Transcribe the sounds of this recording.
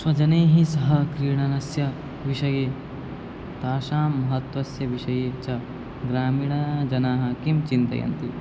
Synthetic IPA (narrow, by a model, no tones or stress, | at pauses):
swɐd͡ʒɐneːɦisɐɦɐkɾiːɳɐnɐsjɐ | ʋiʃɐjeː | t̪aːʃaːmːɐɦɐt̪ʋɐsjɐʋiʃɐjeːt͡ʃɐ | ɡɾaːmiːɳɐd͡ʒɐnaːɦɐkimt͡ʃint̪ɐ̰jɐ̰nt̪i